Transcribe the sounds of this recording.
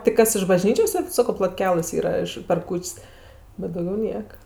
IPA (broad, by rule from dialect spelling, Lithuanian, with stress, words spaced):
tʲɪk ˈkɐs ɪʃ bɐˈʒʲnʲiːt͡ʃʲoːs ˈsʲɛt ˈsɑːkoː plˠoːtʲˈkʲæːlˠɘs ˈiːrɐ ɪʃ pʲɛr ˈkuːt͡ʃʲsʲ bʲɛt dɐʊˈɡʲɛʊ ˈnʲiɛkɐ